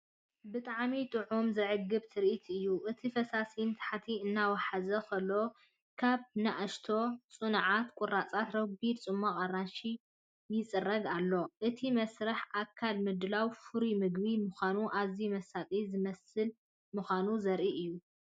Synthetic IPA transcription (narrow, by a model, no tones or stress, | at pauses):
bɨt̪ʼaʕmit̪ʼɨʕumzɐʕɨɡːɨbt̪ʰɨɾʔit̪ʰɨjːuʔɨt̪ʰifɐsasint̪ʰħat̪ʰiɨnːawaħazɐkʰɐlːo̞ | kʰaβnaʔaʃt̪ʰo̞t͡sʼɨnʕat̪kʷʼʊrːat͡sʼat̪ɾɐɡbid̪t͡sʼɨmːaqʼaranʃi | jɪt͡sʼɨrɐɡalːo̞ʔɨt̪ʰimɐsɾɐħʔakʰːalmɨd̪lawfɨɾimɨɡbimuxanuʔaβzimɐsat̪ʼizɨmɐsɨl | muxʷanuzɐɾʔiʔɨjːu